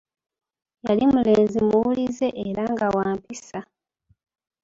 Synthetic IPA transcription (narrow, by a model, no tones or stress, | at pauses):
jalimule̞ːnzimuwulize̞ʔeɾaŋɡawaːmpisa